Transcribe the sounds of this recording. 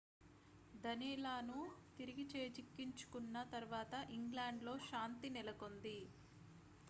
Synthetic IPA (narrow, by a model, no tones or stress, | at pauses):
d̪ɐniːlaːnut̪iɾiɡit͡ʃeːt͡ʃikːiɲt͡ʃu̥kunːɐt̪ɐɾuʋaːt̪ɐʔiŋɡlaːɳɖlo̞ːʃaːnt̪inɛlɐko̞nd̪i